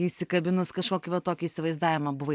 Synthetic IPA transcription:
isʲɪkɐbʲɪnʊskɐʃkoːkʲɪʋɐt̪oːkʲiisʲɪʋɐɪzd̪aːʋʲɪmɐbʊʋɐ

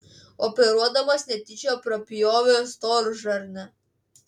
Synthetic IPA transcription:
ɔpʲɛɾuɔd̪ɐmɐsʲnʲɛt̪ʲit͡ʃʲɛɔpɾɐpʲijɔːʋɛɔst̪ɔɾʒɐɾnʲɛ

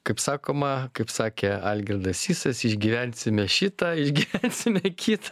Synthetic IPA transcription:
kɐɪpsɑːkoːmɐkɐɪpsɑːkʲeɑlʲɡʲɪrd̪ɐsʲiːsɐsɪʒʲɡʲiʋʲænʲsʲɪmʲɛʃʲɪt̪ɐɪʒʲɡʲiːʋʲænʲsʲɪmʲɛkʲit̪ɐ

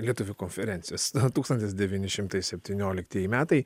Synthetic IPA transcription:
lʲiɛt̪ʊʋʲʊkoːnʲfʲɛɾʲɛnʲsʲɪjoːsot̪uːkst̪ɐnʲt̪ʲɪsd̪ʲɛʋʲinʲɪʃʲɪmt̪ɐɪsʲɛpʲt̪ʲiːnʲoːlʲɪkt̪ʲiɛjimʲæːt̪ɐɪ

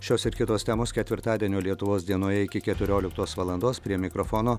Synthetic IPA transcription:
ʃʲoːsɪɾkʲɪt̪oːst̪ʲɛmoːskʲɛt̪ʲʋʲɪɾt̪ɑːd̪ʲiɛnʲoːlʲiɛt̪ʊʋoːsd̪ʲiɛnoːjɛɪkʲɪkʲɛt̪ʲʊɾʲoːlʲɪkt̪oːsʋɐlˠɐnd̪oːspʲɾʲiɛmʲɪkɾɔfɔːnoː

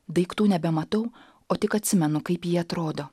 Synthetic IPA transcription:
d̪ɐɪkt̪uːnʲɛbʲɛmɐt̪ɐʊ | oːt̪ʲɪkɐt̪ʲsʲɪmʲɛnʊkɐɪpjiːɐt̪ɾoːd̪oː

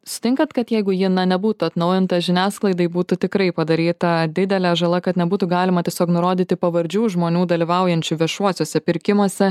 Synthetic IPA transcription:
sʊ̥t̪ʲɪŋkɐnt̪kɐt̪jɛɪɡʊjɪnɐnʲɛbuːt̪ʊɐt̪nɒʊjɪnt̪ɐʒʲɪnʲæːsklˠɐɪd̪ɐɪbuːt̪ʊt̪ʲɪkɾɐɪpɐd̪ɐɾʲiːt̪ɐd̪ʲɪd̪ʲɛlʲæːʒɐlˠɐkɐt̪nʲɛbuːt̪ʊɡɑːlʲɪmɐt̪ʲiɛsʲoːknʊɾoːd̪ʲiːt̪ʲɪpɐʋɐɾʲd͡ʒʲuːʒmoːnʲuːd̪ɐlʲiʋɐʊjɛnʲt͡ʃʲuʋʲiɛʃuɔsʲoːsʲɛpʲɪɾʲkʲɪmuɔsʲɛ

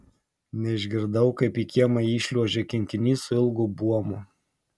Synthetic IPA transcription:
nʲɛɪʒʲɡʲɪɾd̪ɐʊkɐɪpiːkʲiɛmɐiːʃʲlʲuɔʒʲɛkʲɪŋʲkʲɪnʲiːsʊɪlˠɡʊbuɔmʊ

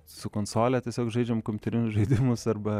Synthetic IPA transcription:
sʊkoːnsoːlʲɛt̪ʲiɛsʲoːkʒɐɪd͡ʒʲɛmkɔmʲʊt̪ɛɾʲɪnʲʊsʒɐɪd̪ʲɪmʊsɐrbɐ

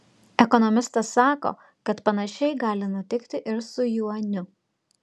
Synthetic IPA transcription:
ɛkɔnɔmʲɪst̪ɐsːɑːko̰ː | kɐt̪pɐnɐʃʲɛɪɡɑːlʲɪnʊt̪ʲɪkt̪ʲɪʔɪɾsʊjuːɐnʲʊ

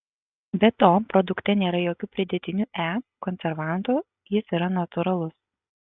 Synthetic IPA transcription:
bʲɛt̪oːpɾɔd̪ʊkt̪ʲɛnʲeːɾɐjoːkʲuːpʲɾʲɪd̪ʲɛt̪ʲɪnʲuːʔæːkɔnʲsʲɛɾʋɑˑnt̪uː | jɪsiɾɐnɐt̪ʊɾɐlˠʊs

